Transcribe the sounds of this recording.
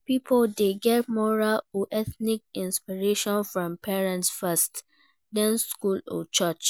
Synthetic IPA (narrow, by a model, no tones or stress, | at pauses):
pipʰoldeɡɛt̚mɔɹaloʔɛθnik̚ĩnspiɹeʃɔ̃nfɹɔ̃mpʰɛɹɛ̃ntsfɛst | dɛ̃nskulɔ̰t͡ʃət͡ʃ